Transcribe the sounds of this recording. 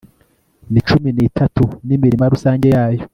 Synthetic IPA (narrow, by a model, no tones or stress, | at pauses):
nit͡ʃuminiːtʰatunimiɾimaɾusaːɲɟe̞jaːjo